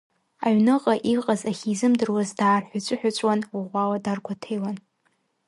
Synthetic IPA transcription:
a̰ɥnɨqʼaʔiqʼazaχʲizɨmdɨrwazdaːrħʷat͡ʃʷʼʊħʷᶣʊt͡ʃʷʼwanaʁʷawadarkʷʰatʰejlan

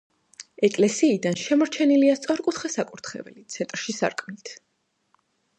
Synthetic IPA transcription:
ɛkʼlɛsiːd̪anʃɛmɔɾt͡ʃʰɛniliast̪sʼɔɾkʼut̪ʰχɛsakʼuɾt̪ʰχɛ̰vɛ̰lit̪sʰɛnt̪ʼɾʃisa̰ɾkʼmit̪ʰ

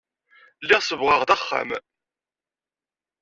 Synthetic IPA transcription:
lːɪʁsəvʁaʁd̪æχːæ̰m

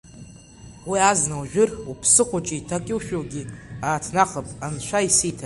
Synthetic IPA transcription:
wiaznawʒᶣʏrupʰsɨqʷʊt͡ʃʼiitʰakʲʼɪwʃᶣoɡʲiaːtʰnaχapʼanʃʷaisitʰa

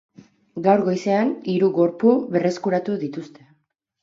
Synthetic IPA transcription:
ɡawɾɣo̞jse̞aniɾuɣo̞ɾpuβe̞re̞skuɾat̪uðit̪ust̪e̞

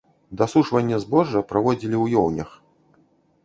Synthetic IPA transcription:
d̪asuʂvɐnʲːɐzbɔʐːɐpɾavɔd͡zʲilʲiwjɔwnʲɐx

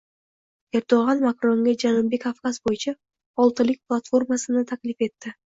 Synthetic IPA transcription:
erd̪oʁɑnmakroŋɡed͡ʒanumbekafkasbojunt͡ʃʰa | olˠt̪olʲik̚plˠat̪fo̞rmasɯnat̪ʰakʲlʲife̞t̪ːɪ

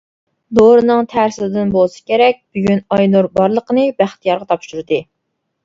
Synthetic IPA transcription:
d̪oɾɨnɨŋt̪ʰæɾsɪlɪd̪ɪnbolˠsɨ̥kʲeɾɛk̚ʲb̥yɡʲynɑjnuɾbɑɾlˠəqənɨbæχt̪ʰijɑɾʁɑt̪ʰɑpʃuɾd̪ɨ

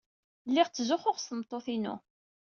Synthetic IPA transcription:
lːɪʁt͡sːzʊχʊʁst̪əmt̪ˤːoθinʊ̰

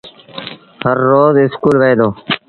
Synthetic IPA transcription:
həɾːoːzɪskuːlʋeːd̪oː

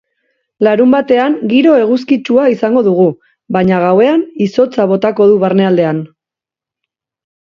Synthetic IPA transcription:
laɾumbat̪e̞aŋɡiɾo̞e̞ɣ̞uskit͡ʃuaisaŋɡo̞ðuɣ̞u | baɲaɣ̞awe̞aniso̞t͡saβ̞o̞t̪ako̞ð̞uβaɾne̞ald̪e̞an

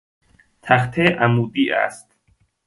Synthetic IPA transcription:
t̪ʰæxt̪ʰeʔæmuːd̪iːʔæ̰st̪

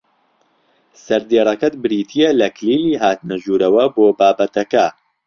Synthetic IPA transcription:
sɐɾd̪eːrˤɐkɐt̪̚bɪɾiːt̪ʰijɐlɐkʰɪliːliːɦaːt̪nɐʒuːɾɐwɐboːbaːbɐt̪ʰɐkɐ

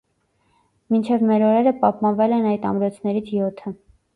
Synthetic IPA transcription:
mint͡ʃʰɛvmɛɾɔɾɛɾəpɑhpɑnvɛlɛnɑjt̪ɑmɾɔt͡sʰnɛɾit͡sʰjɔt̪ʰːə

